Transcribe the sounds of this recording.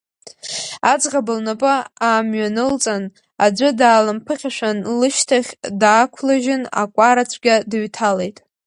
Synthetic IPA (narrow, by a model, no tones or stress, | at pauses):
ad͡zʁabɨlnapʼaaːmɥanɨlt͡sʼan | ad͡ʒʷʊdaːlampʰɨχʲaʂʷᶣanlɨʃtʰaχʲdaːkʷʰlaʒɪna̰kʷʼaɾat͡sʷʰɡʲadɨɥtʰale̞jtʼ